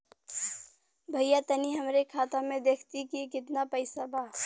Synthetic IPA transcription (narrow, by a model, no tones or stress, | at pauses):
bʱɐjat̪ɐniɦɐmɾekʰaːt̪amẽd̪eːkʰt̪ikiekɪt̪napəɪsabaː